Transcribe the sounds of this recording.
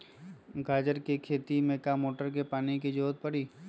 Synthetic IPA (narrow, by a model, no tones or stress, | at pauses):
ɡaːd͡ʒəɾkekʰeːt̪imẽkamoːʈəɾk̬epaːniked͡ʒoːt̪̚pəɽiː